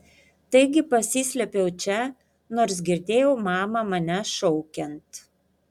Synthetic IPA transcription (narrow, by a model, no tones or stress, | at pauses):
t̪ɐɪɡʲɪpɐsʲiːsʲlʲɛpʲɛʊt͡ʃʲɛ | noːɾs̬ɡʲɪɾʲd̪ʲeːjɛʊmɑːmɐmɐnʲɛʃɔʊkʲɛnt̪